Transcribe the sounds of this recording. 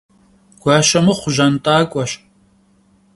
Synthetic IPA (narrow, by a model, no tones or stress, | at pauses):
ɡ̥ʷaːʃɐmɨχʷʊʒɐntʼaːkʷʼɔɕ